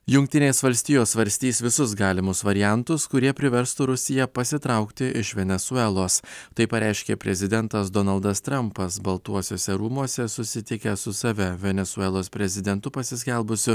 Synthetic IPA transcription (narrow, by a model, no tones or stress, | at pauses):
jʊŋʲk̚t̪ʲɪnʲeːsʋɐlʲsʲt̪ʲɪjoːsʋɐɾʲsʲt̪ʲiːsʋʲɪsʊsɡɑːlʲɪmʊsʋɐɾʲɪjɛnt̪ʊskʊɾʲiɛpʲɾʲɪʋʲɛɾst̪ʊɾʊsʲɪjɛpɐsʲɪt̪ɾɐʊkt̪ʲɪʔɪʃʋʲɛnʲɛsuɛlˠoːst̪ɐɪpɐɾʲʔæˑɪʃʲkʲḛːpʲɾʲɛzʲɪd̪ʲɛnt̪ɐs̬d̪ɔnɐlˠd̪ɐst̪ɾɐmpɐsbɐlˠt̪uɔsʲoːsʲɛɾuːmuɔsʲɛsʊsʲɪt̪ʲɪkʲɛsʊsɐʋʲɛʋʲɛnʲɛsuɛlˠoːspʲɾʲɛzʲɪd̪ʲɛnt̪ʊpɐsʲɪsʲkʲɛlˠbʊsʲʊ